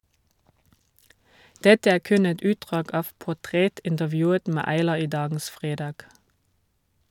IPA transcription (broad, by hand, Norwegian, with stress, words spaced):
ˈdɛtə ˈæː ˈkʉn ˈɛt ˈʉːtdʁɑːɡ ˈɑːʋ pʊˈtʁɛtɪntəˌʋjʉːət ˈmæː ɑɪˈlɑː ˈiː ˈdɑːɡn̩s ˈfʁeːdɑːɡ